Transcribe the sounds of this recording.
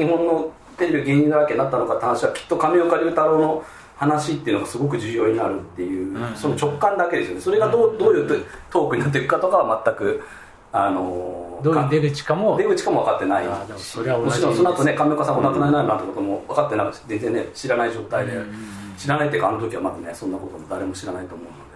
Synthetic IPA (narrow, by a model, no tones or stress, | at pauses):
ɲ̟iɦõ̞nːo̞ | t̪e̞ɾe̞bʲiaɡe̞ːɲ̟ĩaɾakeɲnat̪ːano̞kat̪ehañɕiβakʲi̥t̪ːo̞kamʲeokaɾʲiɾɯ̟t̪aɾo̞ːno̞ | hanaɕit̪ːe̞iɯ̟noɡasɨɡo̞k̬ɯ̟ʑɨːjo̞ːɲ̟inaɾɯ̟t̪ːe̞jɯ̟ːso̞not͡ɕo̞kːãnd̪ake̞d̪e̞sɨjone̞so̞ɾe̞ɡad̪od̪oːjɯ̟t̪t̪o̞ːkɯ̟ɲ̟nat̪ːeikɯkat̪o̞kaβamat̪ːakɯ̟ | ano̞d̪kad̪eɡɯt͡ɕi̥kamod̪e̞ɡɯ̟t͡ɕi̥kamo̞β̞akat̪ːe̞nai | mot͡ɕiɾõso̞noat̪o̞nekameokasãmːonakɯnaenaimãnt̪ekot̪omo̞βakat̪ːe̞nakɯ̟ze̞nzd͡zenneɕiɾanaiʑo̞ːt̪aid̪e̞ɕiɾanait̪ːeekaːno̞t̪̬okʲiβamazane̞sõ̞nːako̞t̪o̞mod̪aɾe̞mo̞ɕiɾanait̪o̞ːmo̞ɯ̟no̞d̪e